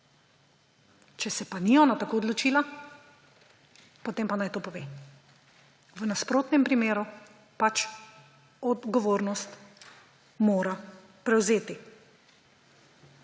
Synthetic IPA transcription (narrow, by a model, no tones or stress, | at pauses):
t͡ʃɛsɛpaniɔːnat̪akoːɔd̪lɔt͡ʃiːla | pot̪eːmpanajt̪oːpɔʋeː | ʋənaspɾoːt̪nɛmpɾimeːɾu | pat͡ʃ | ɔd̪ɡɔʋoːɾnɔst̪ | moːɾa | pɾɛwzeːt̪i